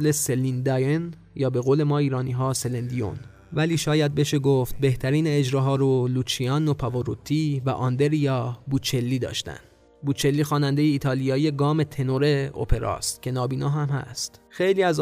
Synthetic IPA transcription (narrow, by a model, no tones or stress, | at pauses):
leselind̪ɒjen | jɒːbe̞ɣoːle̞mɒːiːɾɒːniːɦɒːselend̪ijo̰n | væliːʃɒːjæd̪̚be̞ʃe̞ɡoft̪̚be̞ht̪ʰæɾiːneːd͡ʒɾɒːɦɒːɾoluːt͡ʃʰiɒːnopʰɒvoɾot̪ʰːiːvæ̰ʔɒnd̪e̞ɾijɒːbut͡ʃʰe̞lːiːd̪ɒ̰ːʃt̪æ̰nd̪ | buːt͡ʃʰe̞lːiːxɒːnænd̪e̞jeiːt̪ʰɒːlijɒːije̞ɡɒːme̞t̪ʰe̞noɾe̞o̰pʰe̞ɾɒ̰ːst̪cʰe̞nɒːbiːnoːɦæmhæ̰st̪xe̞jliːæz